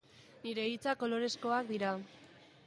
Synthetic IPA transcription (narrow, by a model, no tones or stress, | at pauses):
niɾe̞it͡sako̞lo̞ɾe̞sko̞akd̪iɾa